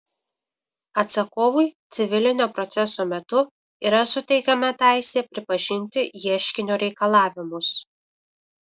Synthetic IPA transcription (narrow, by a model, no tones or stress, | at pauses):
ɐt̪sɐkoːʋʊɪt̪sʲɪʋʲɪlʲɪnʲoːpɾɔt̪sʲɛsoːmʲɛt̪ʊ | iːɾɐsʊt̪ʲɛɪkʲɐmɐt̪ʲæˑɪsʲeːpʲɾʲɪpɐʒʲɪnʲt̪ʲɪjiɛʃʲkʲɪnʲoːɾʲɛɪkɐlˠɑːʋʲɪmʊs